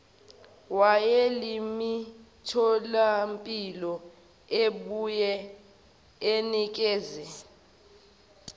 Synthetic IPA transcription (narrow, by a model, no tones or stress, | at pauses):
wajelimitʰɔlampʼilɔ | eɓujɛ | enik̬ʼɛːzɛ